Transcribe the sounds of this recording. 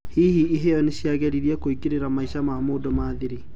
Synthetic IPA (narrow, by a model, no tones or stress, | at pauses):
hihiːejɔneɕjaɣɛɾiɾiɛkoikiɾeɾamaiʃamamoːdɔmaːðiɾi